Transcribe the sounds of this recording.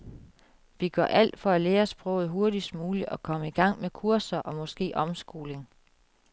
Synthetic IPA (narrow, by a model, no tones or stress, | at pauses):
ʋiɡ̥ɶɐʔæl̰d̥fɒ̽æleːɐsb̥ʁɔ̽ʊð̩ˠɦo̝ɐdisd̥muːliɒ̽kʰɒ̽məiɡ̥ɑ̈ŋ̰mekʰuɐsɐʔɒ̽mɒ̽sɡ̥e̝̰ːʔɒ̽msɡ̥o̝ːle̝ŋ